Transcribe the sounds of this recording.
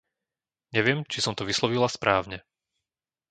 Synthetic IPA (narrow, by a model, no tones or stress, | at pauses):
ɲɛʋɪɛmt͡ʃisɔmt̪ɔʋislɔʋilaspɾʔaːʊɲɛ